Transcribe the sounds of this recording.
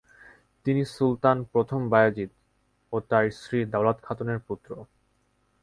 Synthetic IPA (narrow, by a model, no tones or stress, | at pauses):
t̪inisult̪anpɾot̪ʰombajad͡ʑit̪ | ot̪ajsɾid̪awlad̪kʰat̪oneɾput̪ːɾo